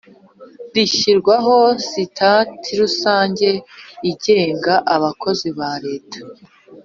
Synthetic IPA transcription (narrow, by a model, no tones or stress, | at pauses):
diʃiɾɡwaɦo̞sitʰatʰiɾusaːɲɟe̞iɟe̞ːŋɡaʔaβakʰo̞ziβaɾe̞ːtḁ